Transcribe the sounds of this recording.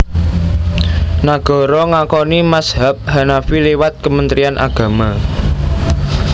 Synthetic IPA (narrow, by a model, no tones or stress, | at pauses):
naɡ̥ɔ̤ɾɔŋakɔnimasɦap̚ɦanafilewat̪̚kəmənt̪ɾianʔa̰ɡ̥ä̤ma